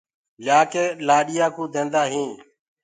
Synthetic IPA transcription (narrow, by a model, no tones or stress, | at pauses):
ljaːkeːlaːɗɪjaːkũːd̪ʱẽːnd̪aːɦĩː